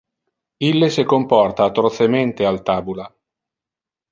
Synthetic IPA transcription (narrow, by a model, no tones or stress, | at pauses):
ilːesekompɔrt̪aːt̪ːɾot̪sement̪ealt̪aːbula